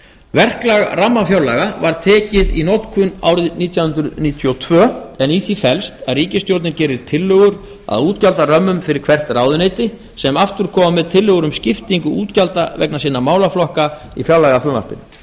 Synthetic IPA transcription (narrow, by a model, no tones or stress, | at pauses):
vɛr̥klaɣramːafjawlaɣavaɾt̪ʰɛːcɪðḭnot̪kʰʏna̰wɾɪðniːt̪jahʏnt̪ɾʏðniːt̪ʰjɔt̪ʰvœːɛniθifɛlst̪aðriːcɪst̪jowɾt̪nɪncɛːɾɪɾ̥t̪ʰɪlːʏɣʏɾ | a̰ðuːt̪calt̪arœmːʏmfɪɾɪɾ̥kʰv̥ɛr̥t̪raːwðʏneːjt̪ɪ | sɛmaft̪ʏɾ̥kʰɔːmamɛðt̪ʰɪlːʏɣʏɾʏmscɪft̪iŋkʏuːt̪calt̪avɛ̰knasiːnamaːwlaflɔhka | ifjawlɛɣafʏma̰r̥pɪ̰n